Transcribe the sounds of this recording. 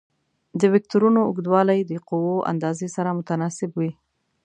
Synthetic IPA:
d̪əwɪk̚t̪uɾunoʊɡd̪wɑlajd̪əquwoʔa̰nd̪ɑzesaɾamʊt̪anɑsɪbwi

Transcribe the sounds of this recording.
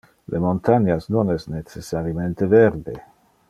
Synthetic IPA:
lʔemont̪aɲasnonɛsnet͡sesaɾjament̪eveɾd̪e

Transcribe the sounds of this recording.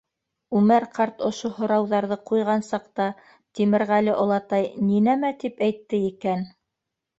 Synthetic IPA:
ʉmæɾqʰɑɾt̪ŏʃohŏɾɑwðɑɾðɤqujʁɑnsɑqt̪ɑ | t̪imɘ̆ɾʁælɘʔŏlˠɑt̪ɑjninæmæt̪ipæjt̪ːɘikæn

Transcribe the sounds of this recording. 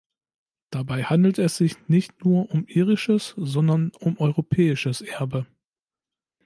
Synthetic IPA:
d̥abaɪhandl̩tɛsz̥ɪçnɪçtnuːɐʔʊmʔiːʁɪʃəszɔndɐnʊmʔɔʏʁopʰɛːɪʃəsʔɛɐbə

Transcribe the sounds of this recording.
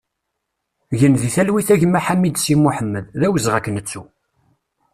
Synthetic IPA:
ʝənðiθælwiθæʝmaħamːid̪simuħəmːəððæwəzʁækːnət͡sːu

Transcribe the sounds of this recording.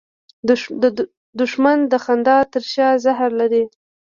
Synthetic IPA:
d̪ʊʃmand̪əxand̪ɑt̪əɾʃɑzahɾlaɾe

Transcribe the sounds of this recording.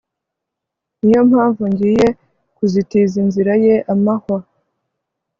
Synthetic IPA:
nijo̞mhaːɱvuɲɟiːje̞ | kuzitizinziɾaje̞ʔamahwa

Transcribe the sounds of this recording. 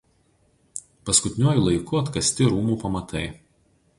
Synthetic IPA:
pɐskʊt̪ʲɪnʲuɔjuːˑlˠɐɪkʊɐt̪kɐsʲt̪ʲɪɾuːmuːpɐmɐt̪ɐɪ

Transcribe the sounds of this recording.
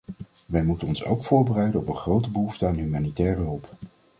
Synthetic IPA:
ʋɛjmutənɔnso̰wkfʊːɹbərɛjdənɔpənχrowtəbəɦuftəaːnɦymaːnitɛːrəɦɵlˠp

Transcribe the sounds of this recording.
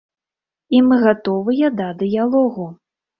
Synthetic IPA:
imɨɣat̪ɔvɨjad̪ad̪ɨjalˠɔɣu

